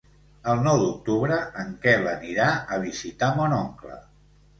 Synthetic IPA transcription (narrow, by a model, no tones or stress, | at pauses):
əlˠnɔwd̪uk̚t̪uβɾəəŋkɛləniɾaəβ̞izit̪amɔnɔŋklə̰